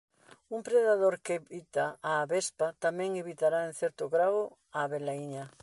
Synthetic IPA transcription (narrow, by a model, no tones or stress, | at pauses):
umpɾeðaðoɾkeβit̪aːβespat̪amɛ̃ŋeβit̪aɾaen̟θɛɾt̪ʊɣɾawo | aβelaiɲa